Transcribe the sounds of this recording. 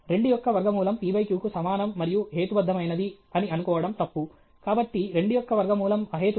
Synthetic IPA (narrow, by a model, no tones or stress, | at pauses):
ɾe̞ɳɖujɔkːɐʋɐɾɡɐmuːlɐmpiːbɐjkjuːkusɐmaːnɐmːɐɾijuɦeːt̪ubɐd̪ʱːɐmɐjnɐd̪i | ɐniɐnukɔːʋɐɽɐmt̪ɐpːu | kaːbɐʈːiɾe̞ɳɖujɔkːɐʋɐɾɡɐmuːlɐmɐɦeːt̪